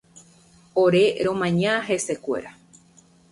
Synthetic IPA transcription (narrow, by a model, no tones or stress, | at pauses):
oɾe̞ɾõmãɲãɦe̞se̞kʷe̞̰ɾa